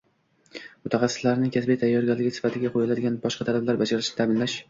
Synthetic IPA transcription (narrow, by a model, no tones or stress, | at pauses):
mʊt̪ʰaχɑsːɪ̥slaɾɪnɪŋkʲʰasbejt̪ʰajːɒɾɡʲalɪɡʲɪsɪ̥fat̪ʰɪɡʲaqʰojɪlad̪ɪɡʲanbɒʃqʰɑt̪ʰalablaɾbad͡ʒaɾɪʃnɪt̪ʰabɪnlaʃ